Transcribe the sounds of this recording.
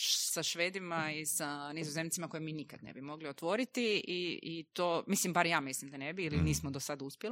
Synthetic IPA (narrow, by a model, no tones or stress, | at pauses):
saʃʋeːd̪imaisanizozemnt̪simako̞jemiːnikad̪nḛbimo̞ɡliot̪ʋo̞ɾit̪iiit̪oːmislimbaɾjaːmislimd̪anebiːliniːsmod̪osad̪uspjeli